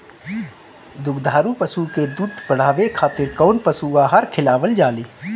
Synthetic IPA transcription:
d̪ʊɡd̪ʱaːɾũpəsuked̪uːd̪fɐɽ̤aːʋekʰaːt̪ɪɾkɔːnpəsuʋaɦəɾkʰɪlaːʋəld͡ʒaːliː

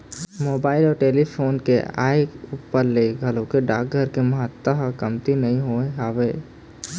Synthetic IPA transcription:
moːbaːɪlɔːɾʈeːlipʰoːnkḛa̰ːɪkuːpːəɾleɡʱəlõkeɖaːk̚ɡʱəɾkeməɦət̪ːəɦkəmt̪inɐɦĩɦoeɦaːʋeː

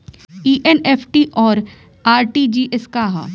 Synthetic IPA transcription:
iːʔeneːpʰʈiʔɔːɾ | aːɾʈid͡ʒiːʔɪskaːɦa̰

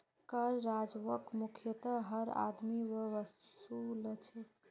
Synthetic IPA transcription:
kəɾːad͡ʒʋəkmukʰjət̪əɦəɾa̰d̪miwəʋəsulət͡ʃʰɛ

